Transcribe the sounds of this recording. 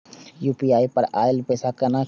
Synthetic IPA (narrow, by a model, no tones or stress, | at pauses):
juːpiːaːipɐɾa̰ːjəlpeːsakɐɾna